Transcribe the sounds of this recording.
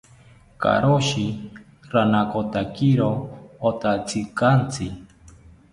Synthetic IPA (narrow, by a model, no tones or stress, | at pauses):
ka̰ɾoʃi | ɾanakot̪akiɾoːt̪at͡sikant͡sʰi